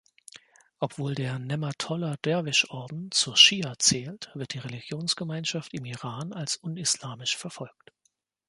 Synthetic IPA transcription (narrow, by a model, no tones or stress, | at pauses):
ʔɔpv̥oːldeːɐnɛmatʰɔlɐd̥ɛɐvɪʃʔɔɐdn̩t͡suːɐʃiːat͡sɛːltv̥ɪɐt̚d̥iːʁelɪɡjoːnsɡ̥əmaɪnʃaftɪmiʁaːnalsʔʊnɪslaːmɪʃfɛɐfɔlk̚t